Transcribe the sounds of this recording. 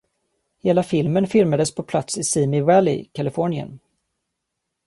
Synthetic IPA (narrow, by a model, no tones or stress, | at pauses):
heːlafɪlmənfɪlmad̪əspʰɔpʰlat̪sɪsiːmɪwɛlɪ̰kʰalɪfɔɳɪə̰n